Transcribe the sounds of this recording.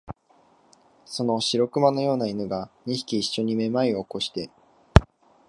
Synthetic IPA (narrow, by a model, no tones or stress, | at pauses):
so̞no̞ɕiɾo̞kɯ̟mano̞jo̞ːnainɯ̟ɡaɲ̟içi̥kʲiːɕːo̞ɲ̟ime̞maioːko̞ɕi̥t̪e̞